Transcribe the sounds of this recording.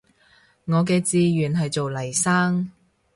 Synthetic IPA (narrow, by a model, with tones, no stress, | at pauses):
ŋɔː˨˧k̬ɛː˧t͡siː˧ɥyː˨˩nɦɐ˨jt͡so˨wlɐ˨˩jsaː˥ŋ